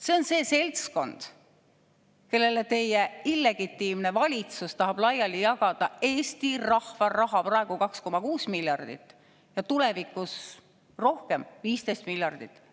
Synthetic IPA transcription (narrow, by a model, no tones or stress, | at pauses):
se̞o̞nse̞ːse̞lt̪sko̞nd̪̥ | ke̞lːe̞le̞t̪e̞jeilːe̞ɡ̥it̪ːˑiːmne̞vɑlʲit̪sust̪ɑɦɑb̥lɑjɑlijɑɡɑd̪̥ɑe̞ːst̪irɑhvɑrɑɦɑprɑe̞ɡ̥ukɑksko̞mɑkuːsmiljɑrd̪̥ḭt̪ːˑ | jɑt̪ulevikːˑus | ro̞hke̞mviːst̪ejst̪miljɑrd̪̥it̪ːˑ